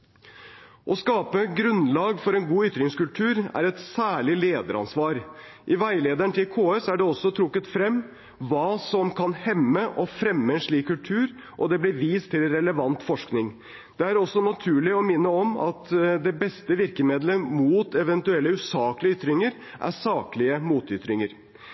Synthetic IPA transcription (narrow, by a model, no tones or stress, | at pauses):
ʔɔskɑːpəɡɾʉnlɑːɡfɔɾɛnɡuːʏt̪ɾɪŋskʉlt̪ʰʉːɾæ̰ɾɛt̪sæːɭɪleːd̪əɾɑ̰nsʋɑːɾ | ʔɪʋæɪleːd̪æɳt̪ʰɪlkʰoːɛsæɖɛɔsːɔt̪ʰɾʊkːət̪fɾɛmː | ʋɑːsɔmkʰɑnhɛmːəʔɔfɾɛmːəɛnʂɭiːkʰːʉlt̪ʰʉːɾ | ʔɔd̪ɛblɪɾʋiːst̪ʰːɪlɾɛləʋɑnt̪fɔʂknɪŋ | d̪̥ɛæɾɔsːɔnɑt̪ʰʉːɭɪɔmɪnːəɔmɑ̰t̪d̪ɛbɛst̪əʋɪɾkəmeːd̪ləmuːt̪ɛʋɛnt̪ʉɛlːəʉsɑːklɪəʏt̪ːɾɪŋəɾ | ʔæ̰sɑːklɪəmuːt̪ʏt̪ɾɪŋəɾ